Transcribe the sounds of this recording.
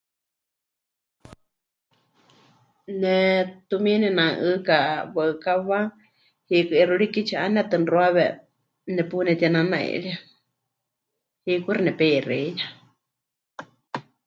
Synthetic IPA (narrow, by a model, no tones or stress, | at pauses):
nɛt̪umĩnɛnãŋʔɨkaβəɨkaβa | hikɨɛruɺikit͡ʃʰaʔanat̪ɨnroaβɛ | nɛpunɛt̪anãnãḛɺia | hikurnɛpɛireja